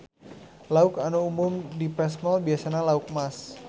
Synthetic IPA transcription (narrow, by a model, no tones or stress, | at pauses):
laʊkanuumʊmdipɾɛsmɔlbiasanalauk̚mas